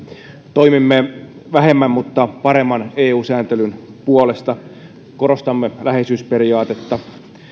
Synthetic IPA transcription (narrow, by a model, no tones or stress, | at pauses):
t̪oimimːeʋæɦemːæmmut̪ːɑpɑɾemːɑneːuːsæːnt̪elynpuolest̪ɑ | koɾost̪ɑmːelæhesyspeɾiɑːt̪et̪ːɑ